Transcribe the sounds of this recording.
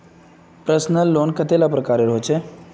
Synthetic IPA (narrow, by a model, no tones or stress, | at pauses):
pɾəsnəlːoːnkət̪elapɾəkaːɾeɾɦot͡ʃʰe